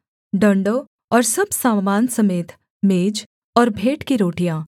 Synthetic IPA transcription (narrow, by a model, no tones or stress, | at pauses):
ɖɐ̃ɳɖoː | ɔːɾsɐbsãːmːaːnsɐmeːt̪ʰ | meːd͡ʒ | ɔːɾbʱeːʈkiɾoːʈijãː